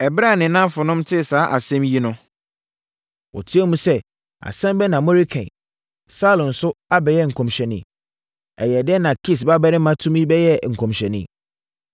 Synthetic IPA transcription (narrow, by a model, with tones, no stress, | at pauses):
ɛ˨bɾa˦˨nɪ̃˨nã˦fʊ˨nʊ̃˦mtʰɪ˦˨saː˨˦ʔa˨sɛ̃˦mji˦nʊ̃˦ | wɔ̰˨tʰi˦ɛ˦mũ˦sɛ˦ | a̰˨sɛ̃˦mbɛ˦nã˨mɔ̃˦ɾi˦kʰɛ̰̃˨ | sa˦lʊ̃˨n̩˨sʊ˦a˦bɛ˨jɛ˦ŋ̩˨kʰɔ̃˨mɕᶣɛ˨nɪ̰̃˨ | ɛ̰˨jɛ˨dɛ˦nã˨kʰi˦s̬ba˦bɛ˦ɾɪ̃˦mã˦tʰũ˦mĩ˦bɛ˦jɛ˦ŋ̩˨kʰɔ̃˨mɕᶣɛ˨nɪ̰̃˦